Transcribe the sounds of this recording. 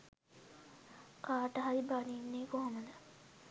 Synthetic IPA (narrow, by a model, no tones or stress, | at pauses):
kaːʈəɦaɾibaniːnːeːkoɦoməd̪ə